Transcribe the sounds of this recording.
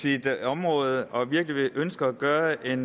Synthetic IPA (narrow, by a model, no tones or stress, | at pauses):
id̥ɒ̽mʁɔ̽ːð̞̩ˠʔɒ̽ʋiɐɡ̥liʋeʔønsɡ̥ɐːɡ̥ɶːɐʔe̝n